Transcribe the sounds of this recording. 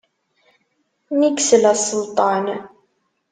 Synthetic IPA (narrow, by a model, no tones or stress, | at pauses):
niksəlæsˤəlt̪ˤɑn